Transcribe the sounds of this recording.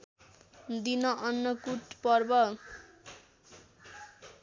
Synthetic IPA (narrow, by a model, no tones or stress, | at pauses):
d̪inʌʔʌnːʌkuʈpʌrbʌ